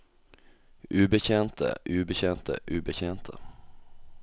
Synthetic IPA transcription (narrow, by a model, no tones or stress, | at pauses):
ʔʉːbəçeːnt̪ʰə̰ʔʉːbəçeːnt̪ʰə̰ʔʉːbəçeːnt̪ʰə̰